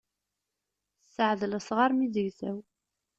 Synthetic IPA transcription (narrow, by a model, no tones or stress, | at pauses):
səʕðələsʁɑɾmiðəʝθæw